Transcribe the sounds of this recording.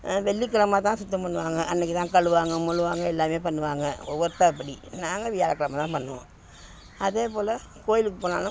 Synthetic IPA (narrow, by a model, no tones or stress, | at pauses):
ʋɛɭːikːɐɭɐmaːt̪̬ãːsʊt̪ːɐmpɐnːɯʋaːŋɡɐʔɐnːɛk̬ːɯt̪ãːkɐɻɯʋaːŋɡɐmʊɻɯʋaːŋɡɐɛlːaːmeːpɐnːɯʋaːŋɡɐɔʋːɐɾɯt̪ːaːɪp̬ːɐɽinaːŋɡɐʋɪjaːlɐkːɐɭɐmaːt̪ãːpɐnːɯʋõ̰ | ɐðeːpoːlɐ | koːjɪlɯk̬ːɯpoːna̰ːlʊ̃